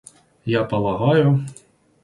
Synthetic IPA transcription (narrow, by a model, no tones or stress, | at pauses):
japɐlˠɐɦɑjʊ